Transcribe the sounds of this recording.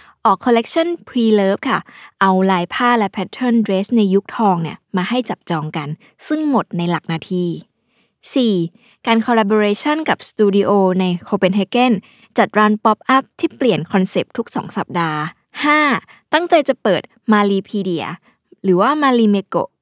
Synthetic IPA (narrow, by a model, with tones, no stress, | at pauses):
ʔɔː˨˩kʰːɔ˧le˦˥k̚t͡ɕʰɔ˥˩˨npʰɾiː˧lɤː˦˥p̚kʰa˥˩ʔa˧wlaː˧jpʰaː˥˩lɛ˦˥pʰɛ˦˥t̪ʰːɤ˥˩˨ndɾeː˦˥sna˧jːu˦˥k̚t̪ʰɔː˧ŋni˦˥˩ɐmaː˧ha˥˩jt͡ɕa˨˩p̚t͡ɕɔː˧ŋka˧n | sɯ˥˩ŋmo˨˩t̪̚na˧jla˨˩k̚naː˧t̪ʰiː˧ | siː˨˩ | kaː˧nkʰɔː˧la˧bo˧ɾeː˧t͡ɕʰɔ˥˩nka˨˩p̚st̪uː˧di˧ʔoː˧na˧jkʰoː˧pe˧nɦe˧˥ke˥˩n | t͡ɕa˨˩t̪̚ɾaː˨˧˥npɔ˦˥p̚ʔa˦˥p̚t̪ʰiː˥˩pli˨˩ənkʰɔ˧nse˨˩p̚t̪ʰu˦˥k̚sɔ̰ː˩˦ŋsa˨˩p̚daː˧ | haː˥˩ | t̪a˥˩ŋt͡ɕa˧jt͡ɕa˨˩pɤː˨˩t̪̚ | maː˧liː˧pʰiː˧di˧˩ɐ̰˧ | ɾɯː˩˦waː˥˩maː˧liː˧me˧ko̰˨˩ʔ